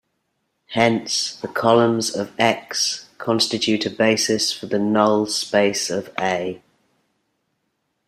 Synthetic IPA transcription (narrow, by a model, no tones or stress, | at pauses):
hɛ̃nsðəkʰɒlə̃mzəvɛkskʰɒ̃nstɪt͡ʃʉˑtʰəbeɪsɪsfəðənʌʊlˠspeɪsəveɪ